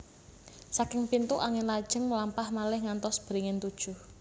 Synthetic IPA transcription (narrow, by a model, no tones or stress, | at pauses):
sakɪŋpint̪uʔaŋɪnlad̥ʒ̥ə̤ŋməlampahmalɪhŋant̪ɔsb̥əɾiŋɪnt̪ud̥ʒ̥ʊh